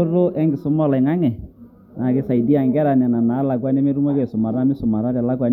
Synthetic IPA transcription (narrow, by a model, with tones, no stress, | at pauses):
o˦ɾo˦ʔɛ˦ŋɡɪ˨sʊ˦mɔ˦la˨ɪ˨ŋa˦ŋɛ˨ | na˨kɪ˦sa˨i˨di˦a˨ŋɡɛ˦ɾa˨nɛ˨na˨na˨˦la˨k̬wa˦nɛ˦me˦ɾu˦ma˦kɛ˨sʊ˨ma˨ɾa˦mɪ˦sʊ˨ma˨ɾa˦dɛ˨la˦kwa˨n